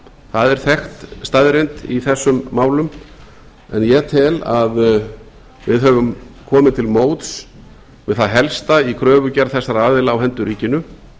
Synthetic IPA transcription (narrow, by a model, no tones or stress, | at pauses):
θaðɛɾ̥θɛxt̪st̪aðɾejnt̪iθɛsːʏmːaːwlʏm | ɛnjɛt̪ʰɪla̰ð | vɪðɦœvʏmkʰɔːmɪnt̪ʰɪlmoːwt̪s | vɪðθaðɦɛlst̪aikʰɾœːvʏcaɾθɛsːaɾaːðɪlaːwɦɛnt̪ʏɾiːcɪnːʏ